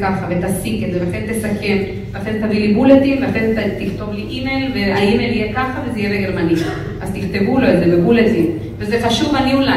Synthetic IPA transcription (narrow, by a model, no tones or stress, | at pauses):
kaχavet̪asiketzelaχent̪esake̞n | aχezet̪avilibulet̪inveaχent̪at̪iχt̪o̞vliʔimejlveaimejlijekaχavezeijeleɡeɾmani | ʔazt̪iχt̪e̞vulo̞etzemebulet̪in | vezeχaʃuvaniula